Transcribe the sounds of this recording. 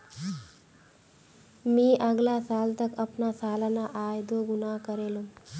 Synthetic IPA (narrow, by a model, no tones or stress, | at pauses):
miːʔəɡlaːsaːlt̪əkɐpnaːsaːlanaʔaːjd̪oɡunaːkəɾeːlum